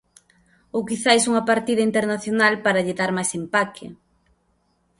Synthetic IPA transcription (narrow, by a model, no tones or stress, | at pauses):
okiθajsuŋɐpaɾt̪iðɐint̪eɾnaθjonalpaɾɐʎɪðaɾmajsempakʰɪ̰